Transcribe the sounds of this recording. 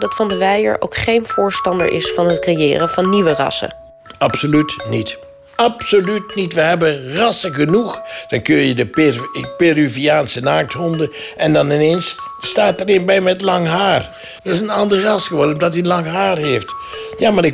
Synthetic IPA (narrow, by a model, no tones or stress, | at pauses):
dɑtfɑndəʋɛjə̰ɹʔo̰wkχejnv̥ʊːɹstɑndə̰ɹʔɪ̰sfɑnɦətkrejɪ̰ːrəvɑnːiʋərɑ̰sə̰ | ɑpsolytnit | ɑpsolytnitʋəɦɛbənrɑsəχənuχd̥ɑnkɵnjədəperyviaːnsənaːk̚tɦɔndəɛndɑnɪnensːtaːtəɾɪnbɛjmɛtlɑŋɦaːr | dɪsənɑndəɹrɑsχəʋodənɔmdɑtiənlɑŋɦaːrɦeftjaːmaːɾɪk